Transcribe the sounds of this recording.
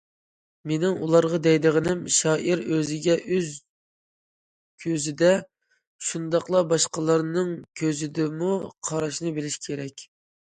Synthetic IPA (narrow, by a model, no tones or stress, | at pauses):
menɪŋulˠɑɾʁɑd̪ɛjd̪ɨʁənɪmʃɑːʔiɾøzɪɡʲɛʔøz | kʲʰøzɪd̪ɛ | ʃund̪ɑqlˠɑbɑʃqɑlˠɑɾnɨŋkʲʰøzɪd̪ɪmuqʰɑɾɑʃnɨbelɪʃkʲʰeɾɛkʲ